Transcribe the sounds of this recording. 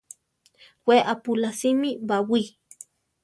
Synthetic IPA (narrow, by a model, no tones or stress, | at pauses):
weʔapulasimibawi